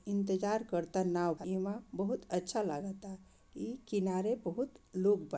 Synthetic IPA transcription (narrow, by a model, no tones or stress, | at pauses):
int̪əd͡ʒaɾkəɾt̪anawbʱimãbəɦut̪ətːʃʰalaɡət̪a | ikinaɾebəɦut̪loɡba